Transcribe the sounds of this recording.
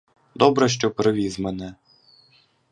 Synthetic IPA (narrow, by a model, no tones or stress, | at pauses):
d̪ɔbɾɛʃ̬t͡ʃɔpɾɪʋʲizmɛnɛ